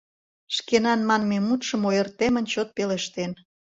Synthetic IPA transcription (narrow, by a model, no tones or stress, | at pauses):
ʃkenɑnmɑnmemut̪ʃə̆mojərt̪emə̆nt͡ɕot̪̚peleʃt̪en